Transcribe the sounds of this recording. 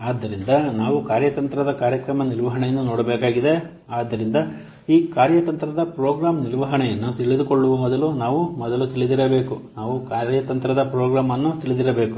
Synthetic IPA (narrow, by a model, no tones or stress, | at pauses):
aːd̪ːɐɾind̪ɐnaːʋukaːɾjɐt̪ɐnt̪ɾɐd̪ɐkaːɾjɐkɾɐmɐniɾʋɐɦɐɳɛjɐnːunoːɽɐbeːkaːɡid̪e̞ | aːd̪ːɐɾind̪ɐ | iːkaːɾjɐt̪ɐnt̪ɾɐd̪ɐpɾoːɡɾaːmniɾʋɐɦɐɳɛjɐnːut̪iɭid̪ukoɭːuʋɐmɔd̪ɐlunaːʋumɔd̪ɐlut̪iɭid̪iɾɐbe̞ːkunaːʋukaːɾjɐt̪ɐnt̪ɾɐd̪ɐpɾoːɡɾaːmɐnːut̪iɭid̪iɾɐbe̞ːku̥